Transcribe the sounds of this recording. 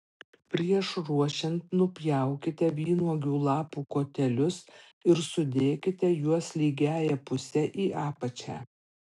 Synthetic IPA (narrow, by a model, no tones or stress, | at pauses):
pʲɾʲiɛʃɾuɔʃʲɛnt̪nʊpʲjæˑʊkʲɪt̪ʲɛʋʲiːnuɔɡʲuːlˠɑːpuːkoːt̪ʲɛlʲʊs | ɪɾsʊd̪ʲeːkʲɪt̪ʲɛjuɔslʲiːɡʲæːjɛpʊsʲɛʔiːʔɑːpɐt͡ʃʲæ̰ː